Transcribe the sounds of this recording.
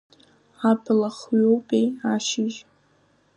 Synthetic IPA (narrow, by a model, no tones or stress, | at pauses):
apʰlaχɥowpʼejaʃɪʒ